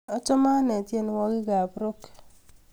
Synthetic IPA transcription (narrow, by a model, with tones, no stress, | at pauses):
ɔ˦t͡ʃɔ˦ma˦nɛ˨tje˦˨n˨wɔ˦ɡɪ˦ɡa˨pɾʊ˦k